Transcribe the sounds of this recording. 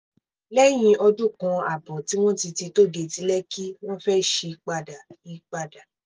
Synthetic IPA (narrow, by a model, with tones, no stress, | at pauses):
lɛ˦j̃ĩ˧ʔɔ˧d͡ʒu˦kɔ̃˧a˨bɔ˨ti˨˦w̃ɔ̃˦ti˧ti˧to˦ɡe˧di˨˦lɛ˦ki˦w̃ɔ̃˦fɛ˦ʃe˧k͡pa˧da˨i˨˧k͡pa˧da˨